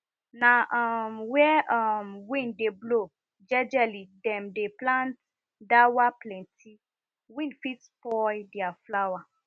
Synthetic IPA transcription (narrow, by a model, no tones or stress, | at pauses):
nãʔmwɛɔmwĩndeblo | d͡ʒɛd͡ʒɛlidɛmdeplãnt | dawaplɛ̃ntʰi | wĩnfitpɔjdiaflawa